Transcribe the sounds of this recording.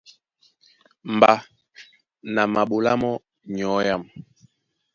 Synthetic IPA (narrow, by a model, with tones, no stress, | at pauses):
m˨ba˨ | na˨ma˨ɓu˨la̰˦mɔ˦ | ɲɔ˨˦ja˦˨m